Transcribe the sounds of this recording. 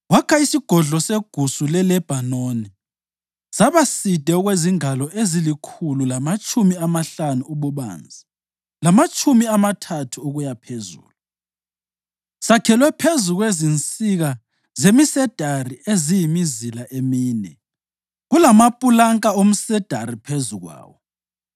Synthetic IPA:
wakʰaisiɡ̥ʱɔɮɔseɡ̥ʱusulɛlɛb̥ʱanoni | saβasid̥ʱɛɔɣweziŋalɔʔezilikʰululamat͡ʃʼumiamaɬanuuβuβa̰ːnd͡zʱi | lamat͡ʃʼumiamatʰatʰuuɣujapʰezṵːlu | sakʰɛlwɛpʰezuɣwezint͡sʼiɣa | zemisɛd̥ʱariezijimizilaʔemiːnɛ | ɣulamapʼulaŋkʼaom̩sɛd̥ʱaripʰezuɣwa̰ːwɔ

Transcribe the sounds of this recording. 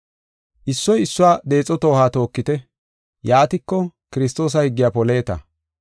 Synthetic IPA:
ʔɪsːɔjɪsːʊwaːd̪e̞ːt͡sʼːɔt̪o̞ːhaːt̪o̞ːkːɪt̪ɛ | jaːt̪ɪkːɔkɪɾɪs̬t̪o̞ːs̬ɐhɪɡːɪjaːpɔle̞ːt̪ɐ̰

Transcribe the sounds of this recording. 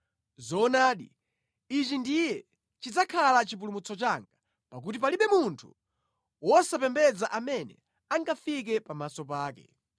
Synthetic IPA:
zɔːnaːɗi | it͡ʃindijɛ | t͡ʃid͡zakʰalat͡ʃip̬ulumut͡sɔt͡ʃaŋɡa | pak̬ut̬ipaliɓɛmuntʰu̥ | wɔsapɛmbɛd͡zaʔamɛnɛ̰ | aŋɡafik̬ɛpamasɔp̬aːkɛ̰

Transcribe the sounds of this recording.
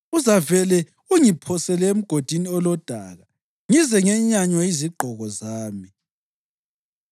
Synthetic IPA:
uzavɛlɛ | uŋipʰɔsɛlɛem̩ɡ̥ʱod̥ʱiniɔlɔd̥ʱaɣa | ŋizɛŋɛɲaɲwaiziɡ͡ǃʱɔɣɔzaːmi

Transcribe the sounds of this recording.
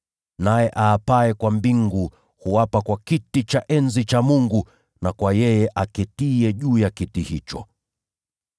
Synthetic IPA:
najɛʔaːpaɛkwambiŋɡu | huwapakwakitit͡ʃaʔɛnzit͡ʃamuŋɡu | nakwajɛjɛʔakɛtiɛʄuːjakitihit͡ʃɔ

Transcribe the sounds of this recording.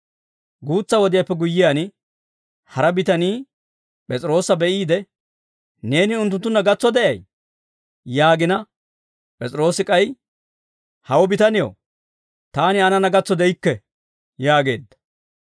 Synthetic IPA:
ɡuːt͡sːɐwɔd̪ɪjapːɛɡʊjːɪjaːnɪ | hɐɾɐbɪt̪ɐniː | pʼɛt͡sʼɪɾo̞ːsɐbɛʔiːd̪ɛ | ne̞ːnɪʊnt̪ːʊnt̪ːʊnːɐɡɐt͡sːɔd̪ɛʔɐj | jaːɡɪnɐ | pʼɛt͡sʼɪɾo̞ːsɪkʼɐj | hɐwɔbɪt̪ɐnɪjo̰ː | t̪aːnɪɐnɐnɐɡɐt͡sːɔd̪ɛjɪkːɛ | jaːɡe̞ːd̪ːɐ̥

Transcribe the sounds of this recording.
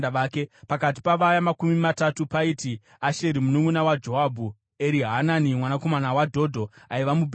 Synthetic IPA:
aʋaːkepakat̬i̥paʋajamakumimatatupaiti | aʃeɾimunumunawad͡ʒo̞ɦabʱu | e̞ɾiɦananimwanako̞manawadʱo̞dʱo̞aiʋamub

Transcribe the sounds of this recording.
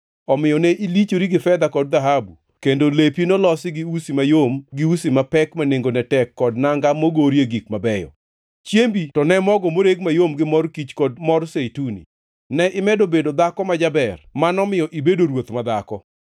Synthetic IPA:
ɔmɪjɔnɛʔilit͡ʃoɾiɡɪfɛd̪akɔd̚d̪aɦabu | kendolepinolɔsɪɡɪusimajomɡɪusimapɛkmaneŋɡonɛtɛkːɔdnaŋɡamoɡoɾjeɡikmabɛjɔ̰ | t͡ʃjembitɔnɛmɔɡɔmoɾeɡmajomɡɪmɔrkit͡ʃkɔd̚mɔrsetunḭ | nɛʔɪmɛdobedod̪akɔmad͡ʒabɛrmanɔmɪjɔʔibedoɾwot̪mad̪akɔ

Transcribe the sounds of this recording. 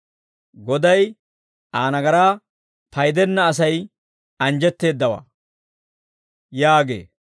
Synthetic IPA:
ɡɔd̪ɐj | aːnɐɡɐɾaː | pɐjd̪ɛnːɐːs̬ɐj | ɐnd͡ʒɛt̪ːe̞ːd̪ːɐwa̰ː | jaːɡḛː

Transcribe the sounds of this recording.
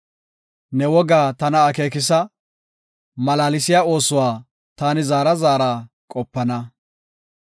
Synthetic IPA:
nɛwɔɡaːt̪ɐnɐːke̞ːk̬ɪs̬ɐ | mɐlaːlɪsɪjaːo̞ːsʊwaː | t̪aːnɪzaːɾɐzaːɾaː | kʼɔpːɐnɐ

